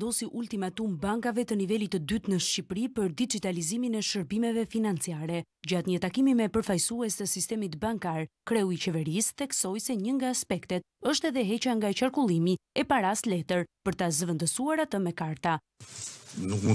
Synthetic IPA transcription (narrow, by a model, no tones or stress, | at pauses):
d̪ɔsiʔult̪imat̪umbaŋkavɛt̪ənivɛlit̪əd̪yt̪nəʃcipɾipəɾd̪id͡ʒit̪aliziminɛʃəɾbimɛvɛfinant͡siaɾɛ | ɟat̪ɲət̪akimimɛpəɾfajsuɛst̪əsist̪ɛmit̪baŋkaɾkɾɛuit͡ɕɛvɛɾisθɛksɔjsɛɲəŋɡaːspɛkt̪ɛt̪̚əʃt̪ɛðɛɦɛt͡ɕaŋɡat͡ʃaɾkulˠimiɛpaɾaslɛt̪əɾpəɾt̪azəvɛnd̪əsuaɾat̪əmɛkaɾt̪a | nukmu